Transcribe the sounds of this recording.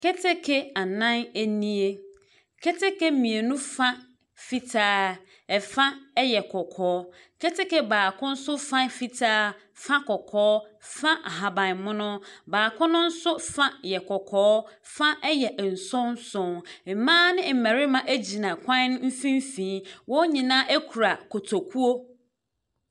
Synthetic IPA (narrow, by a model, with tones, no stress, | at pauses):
kɛ˦tʰɪ˦kʰɛ˦a˨nã˦næ˦nĩ˦e˦ | kʰɛ˦tʰɪ˦kɛ˦mĩ˨e˨nũ˦fa˦ | fi˦tʰaː˦ | ɛ˨fã˦ɛ˦jɛ˨kʰɔ˨kʰɔː˨˦ | kʰɛ˦tɪ˦kɛ˦baː˨kʰʊ̃˦n̩˦sʊ˦fã˦fi˦tʰaː˦ | fã˦kɔ˨kʰɔː˦fã˦ʔa˨ɦa˨bã˨n˨mʊ̃˦nʊ̃˦baː˨kʰʊ̃˦nʊ̃˦n̩˦sʊ˦fã˦jɛ˨kʰɔ˨kʰɔː˦fã˦ʔɛ˦jɛ˨ʔn̩˨sɔ̃˦n˦sʊ̃˨nm̩˨mãː˦nɪ̃˦m̩˨mæ̃˨ɾɪ˦mã˨ʔæ˦d͡ʑi˨nã˨kʰʷã˦n˦ñ˦m̩˦fĩ˦m˦fĩ˨˦wɔ˦ɲĩ˨nãː˦ʔe˦kʰu˨ɾa˨kʰɔ˨tʰɔ˨kʰu˦o˦